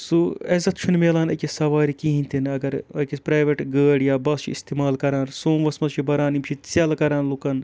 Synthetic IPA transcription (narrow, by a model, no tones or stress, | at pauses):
suɐzɐt̪̚ʰt͡ʃʰunmeːlaːnɐkʲisɐʋaːɾikiɦĩnʲt̪ʰinɐɡɐɾɐ̰kispɾaːjʋeʈɡəːɽjaːbɐst͡ʃʰiḭst̪iːmaːlkɐɾaːnsoːmʋɐsmɐst͡ʃʰibɐɾaːnimt͡ʃʰit͡sɐlkɐɾaːnlukɐn